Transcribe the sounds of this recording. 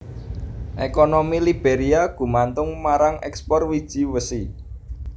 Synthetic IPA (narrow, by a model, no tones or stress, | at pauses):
ʔekonomilib̥eɾiaɡ̥ṳmant̪ʊŋmaɾaŋɛkspɔrwid̥ʒ̥i̤wəsi